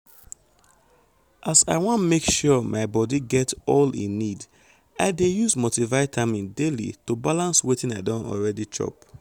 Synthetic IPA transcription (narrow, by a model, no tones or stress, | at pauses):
ʔasaɪwɔ̃nmekʃuɔmʔaɪbɔdiɡɛtɔlḭ̃nːid | aɪdejuzmotivaɪtʰamĩndelḭtubalãnswetĩnaɪdɔ̃nɔ̰lɹɛdit͡ʃɔ̰p